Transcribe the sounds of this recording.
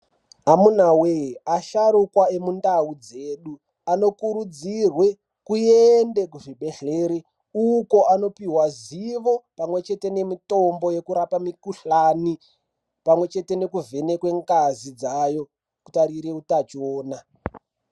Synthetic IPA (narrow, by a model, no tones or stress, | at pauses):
ɦamunaweaʃaɾukwae̞mundaud͡ze̞ːɗu | ano̞kuɾud͡zirwe̞ | kujende̞kuʐiɓe̞ɬeːɾe | uko̞ano̞piwaziʋo̞pamwe̞t͡ʃe̞te̞ne̞mito̞mbo̞je̞kuɾapamikuɬani | pamwe̞t͡ʃe̞te̞ne̞kuve̞nekwe̞ŋɡazid͡zajo̞ | ku̥taɾiɾeutat͡ʃoːna